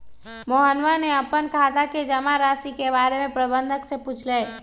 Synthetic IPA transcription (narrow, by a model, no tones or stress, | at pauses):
moɦənʋaneɐpənkɦat̪aked͡ʒɐmaɾaːsikebaːɾemẽpɾəbə̃nd̪ʱəksepuːt͡ʃʰleː